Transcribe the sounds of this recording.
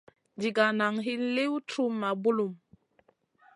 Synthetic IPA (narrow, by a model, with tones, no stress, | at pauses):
d͡ʒi˨ɡa˨na˨ŋɦi˦nle˦wtʰu˦mːa˨bu˦lu˨m